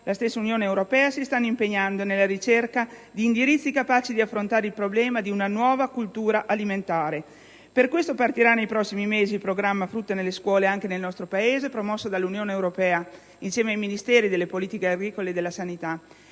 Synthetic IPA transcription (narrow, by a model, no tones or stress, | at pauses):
lʔast̪esːaunjoːneeːwɾopɛːasist̪anːoimpeɲːand̪onelːaɾit͡ʃerkad̪iːnd̪iɾit̪sːikapaːt͡ʃid̪iafːɾont̪aːɾeilpɾoblɛːmad̪iunanwɔːvakult̪uːɾaʔaliment̪aːɾe | perkwest̪opart̪iɾanːejpɾɔsːimimeːzilpɾoɡɾamːafɾut̪ːenelːeskwɔːleaŋkenelnɔst̪ɾopaeːzepɾomɔsːod̪alːunjoːneːwɾopɛːa | insjɛːmeajminist̪ɛːɾid̪elːepoliːt̪ikeaɡɾiːkoleːd̪elːasanit̪a